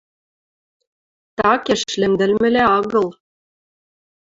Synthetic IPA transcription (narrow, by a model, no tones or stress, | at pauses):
t̪ɑkeʃlɘ̆md̪ɘ̆lmɘ̆leɑɣɤ̆l